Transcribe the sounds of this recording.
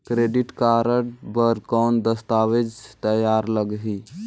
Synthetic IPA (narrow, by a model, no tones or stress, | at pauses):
kɾeɖiʈkaɾəʈbəɾkawnd̪əst̪aʋed͡ʒt̪əjaɾləɡɦi